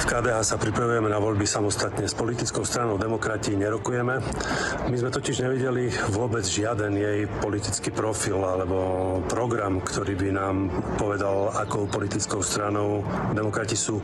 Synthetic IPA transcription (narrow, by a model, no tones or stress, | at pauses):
fkaːd̪ɛːɦaːsapɾipɾaʋujɛmɛnaʋɔʎbisamɔst̪at̪ɲɛspɔlit̪it͡skɔʊst̪ɾanɔʊd̪ɛmɔkɾaciːɲɛɾɔkujɛmɛmizmɛt̪ɔcɪiʒɲɛʋiɟɛliʋʊɔbɛd͡zʒɪad̪ɛnjɛjpɔlit̪it͡skiːpɾɔfilalɛbɔpɾɔɡɾamkt̪ɔɾiːbinaːmpɔʋɛd̪alakɔʊpɔlit̪it͡skɔʊst̪ɾanɔʊd̪ɛmɔkɾacisuː